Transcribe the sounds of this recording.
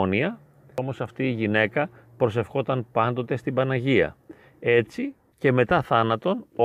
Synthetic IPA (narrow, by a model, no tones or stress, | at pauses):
niɐ | o̞mo̞sɐft̪iːʝine̞kɐ | pɾo̞se̞fxo̞t̪ɐnpɐnd̪o̞t̪e̞st̪ibɐnɐʝiɐ̰ | e̞t͡si | ce̞me̞t̪ɐθɐnɐt̪o̞n